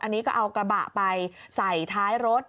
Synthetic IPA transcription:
ʔa˧nːiː˦˥kɔː˥˩ʔa˧wkɾa˧ba̰˨˩ʔpa˧j | sa˨˩jt̪ʰaː˦˥jɾo˦˥t̪̚

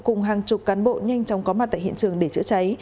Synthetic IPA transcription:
kʊ˨˩ŋ͡mɦaː˨˩ŋt͡ɕʊ˨˩k͡p̚kaː˨˦nɓo̰˧˨ɲa˧jŋ̟t͡ɕɔ˨˦wŋ͡mkɔ˨˦ma˨˩t̚t̪a̰ː˧˨hḭ˧˨nt͡ɕɨ˨˩əŋɗe˧˩t͡ɕɨ̰˧˥ət͡ɕa˨˦j

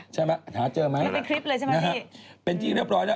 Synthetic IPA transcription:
t͡ɕʰaː˦˥˩ma˦˥haː˩˦t͡ɕəː˧ma˦˥jpe˧nkʰɾi˦˥p̚ləː˧jʰa˥˩ma˧˥a˦˥pe˧nt͡ɕi˧ŋɾi˥˩p̚ɾɔː˨˦˥jna˦˧˩

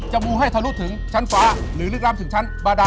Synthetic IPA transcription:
t͡ɕɔ˧wŋ͡mɓu˧˩ɦa˧˩jt̪ʰə˧lu˦˥t̪̚ʰɨ˨˦əŋt͡ɕa˧ŋkwaː˨˦lɨ˨˦lɨ˦˥k̚laː˧t̪ʰɨ˨˩əŋt͡ɕʰa˧jŋɓaː˨˧˩ɗaː˨

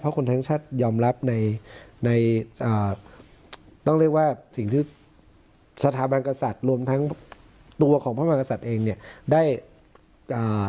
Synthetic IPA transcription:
pʰɔ˦˥kʰo˧nt̪ʰa˦˥ŋt͡ɕʰaː˥˩t̪̚jɔː˧mɾa˦˥p̚na˧jna˧jʔəː˨˩ | t̪ɔ˥˩ɾi˥˩ək̚waː˥˩si˨˩ŋt̪ʰiː˥˩ | sa˧t̪ʰaː˩˦ba˧nka˧sa˨˩t̪̚ɾu˧əmt̪ʰa˦˥ŋ | t̪u˧ɐkʰɔː˩˦pʰa˥˩maː˧˩ka˧sa˨˩t̪̚ʔeː˧ŋni˥˩ədaː˥˩j | ʔəː˨˩

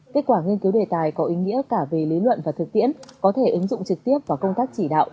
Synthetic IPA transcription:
ke˦˥t̚kwaː˧˩ŋi˧ənki˨˦wɗe˨˩t̪aː˨˩jkɔ˨˦ʔi˨˦ŋḭ˧˥əkaː˧˩vi˨˩li˨˦lwə̰˧˨nvaː˨˩t̪ʰɨ˨˩k̚t̪ḭ˧˥ənkɔ˨˦t̪ʰe˧˩ʔɨ˨˦ŋzʊ̰˧˨ŋ͡mt͡ɕɨ˨˩k̚t̪i˦˥əp̚vaː˨˩wkə˧wŋ͡mt̪aː˦˥k̚t͡ɕi˧˩ɗa̰ː˧˨wʔ

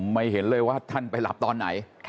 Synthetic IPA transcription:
ma˧˩jɦe˩˦nlɤː˧jwaː˥˩t̪ʰa˥˩npa˧jla̰˨˩p̚t̪ɔː˧nːa̰˩˦jʰ

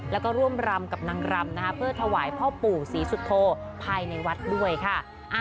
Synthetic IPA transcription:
lɛ˦˥wkɔː˥˩ɾu˥˩əmɾa˧mka˨˩p̚na˧ŋɾa˧mna˦˥kʰa˦˥pʰɯ˥˩ɐt̪ʰa˧waː˩˦jpʰɔː˥˩puː˨˩siː˩˦su˨˩t̪ʰːoː˧pʰaː˧jna˧jwa˦˥t̪̚du˥˩əjkʰa˥˩ | ʔa˧

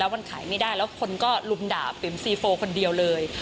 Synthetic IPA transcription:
lɛː˦˥wma˧nkʰaː˩˦jma˥˩jdaː˥˩jlɛː˦˥wkʰo˧nkɔː˥˩lu˧mdaː˨˩pi˩˦msiː˧foː˧kʰo˧ndi˧əwlɤː˧j

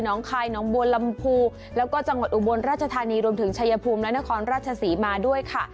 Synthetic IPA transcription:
nɔː˩˦ŋkʰaː˧jnɔː˩˦ŋbu˧ənla˧mpʰuː˧ | lɛː˦˥wkɔː˥˩t͡ɕa˧ŋwa˨˩t̪̚ʔu˨˩bo˧nɾaː˥˩t͡ɕʰa˧t̪ʰaː˧niː˧ɾu˧əmt̪ʰɯ˩˦ŋt͡ɕʰa˧ja˧pʰuː˧mlɛ˦˥na˦˥kʰɔː˧nɾaː˥˩t͡ɕʰa˧siː˩˦maː˧du˥˩əjkʰa˥˩

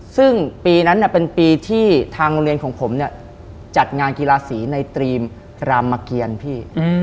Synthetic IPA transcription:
sɯ˥˩ŋpiː˧na˦˥nːi˥˩pe˧npiː˧t̪ʰiː˥˩t̪ʰaː˧ŋo˧nɾi˧ənkʰɔː˩˦ŋpʰo˩˦mni˥˩ɐ | t͡ɕa˨˩t̪̚ŋaː˧nkiː˧laː˧siː˩˦na˧jt̪ɾiː˧m | ɾaː˧mːa˧ki˧ənpʰiː˥˩

